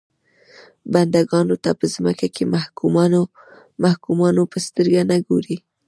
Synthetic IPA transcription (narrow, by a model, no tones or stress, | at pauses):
band̪aɡɑnot̪apəzməkakemahum | mahkumɑnopəst̪əɾɡanaɡoɾi